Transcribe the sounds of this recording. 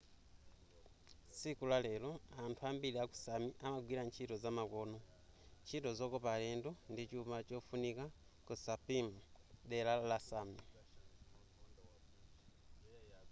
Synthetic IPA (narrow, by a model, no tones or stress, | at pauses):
sikulale̞lo̞antʰuaːmbilaku̥samiʔamaɡwilant͡ʃito̞zamako̞no | cito̞zo̞kopaleːndondit͡ʃumat͡ʃofunikakusapimudelalasami